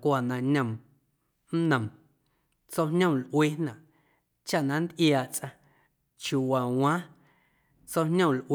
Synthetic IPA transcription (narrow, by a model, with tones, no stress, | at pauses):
kʷa˨nã˧ɲə̃˨m | n̩˦nə̃˨m | t͡so˦ɲõ˦˨lʔweː˦nã˨ʔ | t͡ʃa˦ʔnã˨n˦d̪ʔjaː˨ʔt͡sʼã˧ | t͡ʃju˨wa˨w̃ãː˦ | t͡so˦hɲõ˦˨lʔw